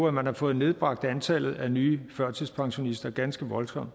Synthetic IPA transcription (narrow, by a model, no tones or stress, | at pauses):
æmænhɑ̈fɔ̽ːð̩ˠne̝ð̞ˠb̥ʁɑ̈ɡ̥d̥ænt͡sʰɛlð̞̩ˠænyːfɶɐ̰t͡sʰispʰɑ̈ŋɕo̝nisd̥ɐɡ̥ænsɡ̥əʋɒ̽lsɒ̽m̰d̥